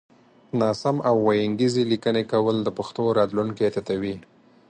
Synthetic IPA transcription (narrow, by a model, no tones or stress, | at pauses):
nɑsamawːajaŋɡizelikənekawəld̪əpaxt̪oɾɑt̪luŋket̪at̪awi